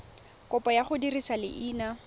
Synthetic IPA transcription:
kʊpʼɔjaχʊdirisalɪ̰ʔiːna

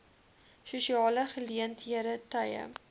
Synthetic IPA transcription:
ʃɪʃɒlaχɪljent̪ʰjeɾɪt̪ʰaja̰

